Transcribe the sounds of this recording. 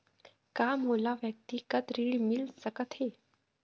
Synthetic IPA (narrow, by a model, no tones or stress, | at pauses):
kamolaʋjək̚t̪iːkət̪ɾiɭmilsəkət̪he